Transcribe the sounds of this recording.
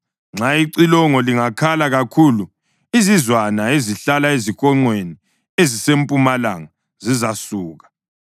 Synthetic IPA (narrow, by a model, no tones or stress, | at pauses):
ŋ͡ǁaiǀilɔŋɔliŋakʰalaɣakʰulu | izizwanaeziɬalaeziɣɔŋ͡ǀweni | ezisempʼumala̰ŋa | zizasuːɣḁ